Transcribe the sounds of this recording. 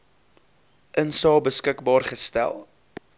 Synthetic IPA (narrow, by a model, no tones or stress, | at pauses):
ʔənsɑːbəskəkbɑːrχəstæ̰lˠ